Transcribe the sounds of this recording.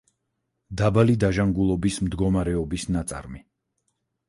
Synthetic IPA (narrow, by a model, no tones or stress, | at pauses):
d̪abalid̪aʒaŋɡulˠɔbismd̪ɡɔmaɾɛɔbisnat̪sʼa̰ɾmi